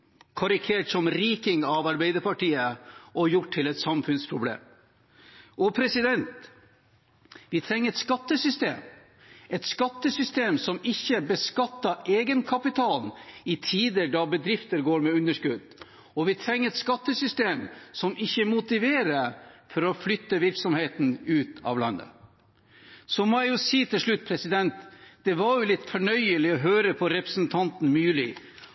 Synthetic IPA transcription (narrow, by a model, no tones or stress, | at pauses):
kʰɑɾɪkʰeːʈsɔmɾiːkɪŋɑʋɑɾbæɪd̪əɾpʰɑʈiːəʔɔjʊʈʰːɪlɛt̪sɑmfʉnspʰɾʊblḛːm | ɔpʰɾɛsɪd̪ɛnt̪ | ʋɪt̪ʰɾɛŋːəɾɛt̪skɑt̪ːəsʏst̪ḛːm | ʔɛt̪skɑt̪ːəsʏst̪eːmsɔmɪçːəbəskɑt̪ːəʔeːɡənkʰɑpɪt̪ʰɑːlɪt̪ʰiːd̪əɖɑbəd̪ɾɪft̪əɾɡoːɾmɛʉnːəʂkʉd̪ | ɔʋɪt̪ʰɾɛŋːəɾɛt̪skɑt̪ːəsʏst̪eːmsɔmʔɪçːəmʊt̪ɪʋeːɾəɾfɔɾɔflʏt̪ːəʋɪɾksɔmheːt̪n̩ʉːt̪ɑ̰ːʋlɑ̰nːə̰ | sɔmɔæjʊsiːt̪ʰɪlʂɭʉt̪̚ːpʰɾɛsɪd̪ɛnt̪d̪̥ɛʋɑɾjʊlɪt̪ːfɔɳœʏəlɪɔɦøːɾəpʰɔɾɛpɾəsnt̪ʰɑnt̪n̩mʉːlɪ